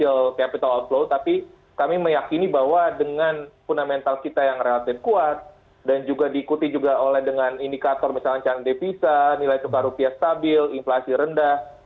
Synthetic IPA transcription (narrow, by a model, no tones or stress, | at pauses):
ilkapit̪alɔnploʊnt̪api | kamiməjakinibaɦwadəŋanfundamɛnt̪alkit̪ajaŋrelat̪ɪfkuat̪̚ | dand͡ʒuɡadiːkut̪id͡ʒuɡaolɛhdəŋanindikat̪ɔrməsalaɲt͡ʃanadefisanilajsukaɾupiast̪abɪlinflasiɾəndah